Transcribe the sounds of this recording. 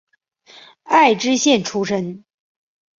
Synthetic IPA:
a˥˩ɪʈ͡ʂɻ̩˥ɕjɛ˥˩nʈ͡ʂʰu˥ʂə˥n

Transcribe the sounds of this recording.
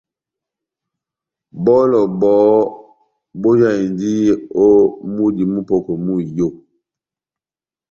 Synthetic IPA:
bɔ˦lɔ˨bɔː˨˦ | bo˦d͡ʒa˦˨i˨ndi˦o˦mu˦di˨mu˦po˨ko˨mu˦˨jo˦˨

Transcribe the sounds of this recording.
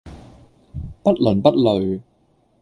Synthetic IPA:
pɐ˥t̚lɵ˨˩npɐ˥t̚lɵ˨ɥ

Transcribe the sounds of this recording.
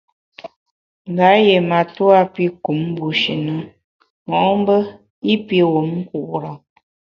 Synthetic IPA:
ŋ˨ɡa˨˦jɛ˨ma˨tu˦a˦pi˦ku˨˦m̩˦bu˨ʃi˨nə˨˦ | mɔ˨˦m˦bə˦ | i˦pi˦wo˨˦mŋ̩˦ku˨ʔɾa˨

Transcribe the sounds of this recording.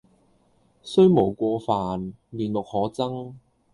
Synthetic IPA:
sɵ˥ɥmo˨˩wkʷɔː˧faː˨n | liː˨nlʊ˨k̚hɔː˨˥t͡sɐ˥ŋ

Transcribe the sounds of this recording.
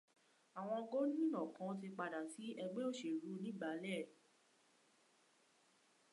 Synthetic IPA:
a˨w̃ɔ̃˧ɡo˦nĩ˦˨nɔ̃˨kã˨˧˦t̬i˧k͡pa˧da˨ti˨˦ɛ˧ɡ͡be˦o˦˨ʃe˨ɾu˨˦nĩ˦˨ɡ͡ba˨˦lɛ˦˨

